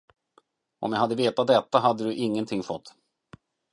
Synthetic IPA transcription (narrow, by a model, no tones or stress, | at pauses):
ʔɔ̰mjahad̪ːəveːt̪at̪̚d̪ɛt̪ːaɦad̪ːəd̪ɵʔɪŋːənt̪ʰɪŋːfɔt̪ː